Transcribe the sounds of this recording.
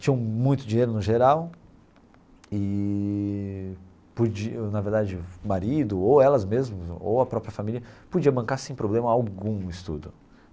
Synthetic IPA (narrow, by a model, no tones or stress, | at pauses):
t͡ʃĩɲɐ̃w̃mũj̃t̪ʊd͡ʒĩɲejɾʊnʊʒeɾaw | ɪ | pod͡ʒinɐveɾd̪ad͡ʒɪmaɾid̪ʊowɛlɐzmezmʊo̰wɐpɾɔpɾiɐfamilʲiɐpod͡ʒiɐmɐ̃kaɾsẽj̃pɾoblẽmɐawɡũist̪ṵd̪ʊ